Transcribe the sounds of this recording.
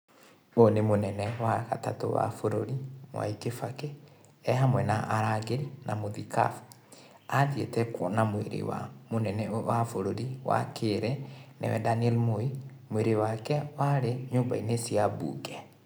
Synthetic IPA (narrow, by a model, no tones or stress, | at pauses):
bonemonɛnɛwaka̰tato̰wa̰foɾoɾimwa̰ikefake | ɛɦamwɛnaʔaɾaɡelnamoðika̰f | aðjḛtɛkɔ̰namweɾḛwa̰monɛnɛwafoɾoɾiwa̰kʰeɾɛnɛ̰wɛdaniɛlmoi | mweɾewakɛwaɾeɲoːmbainesiabṵːɡɛ